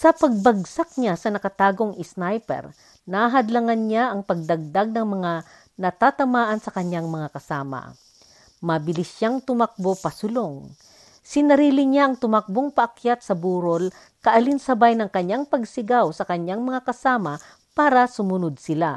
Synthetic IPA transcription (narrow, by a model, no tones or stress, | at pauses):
sɐpɐɡ̚bɐɡsak̚ɲasɐnɐkɐt̪aːɡo̞ŋɪsnajpɛ̰ɾ | naɦɐd̪laŋanɲaʔɐŋpɐɡ̚d̪ɐɡ̚d̪aɡ̚nɐŋmɐŋa | nɐt̪at̪ɐmaːʔɐnsɐkɐɲjaŋmɐŋakɐsaːmɐ̰ | mɐbɪlɪsʃaŋt̪ʊmak̚bopɐsʊloŋ | sɪnɐɾiːlɪɲaʔɐŋt̪ʊmak̚boŋpɐʔɐkjat̪̚sɐbuːɾol | kɐʔɐlinsɐbajnɐŋkɐɲːaŋpɐɡsɪɡawsɐkɐɲːaŋmɐŋakɐsaːmɐ | paːɾɐsʊmʊnod̪̚sɪla